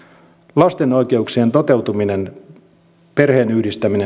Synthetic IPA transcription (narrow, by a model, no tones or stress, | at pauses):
lɑst̪eno̞jk̟e̞ukseːnt̪o̞t̪e̞wt̪uminen | perhe̞ːnyhdist̪æmine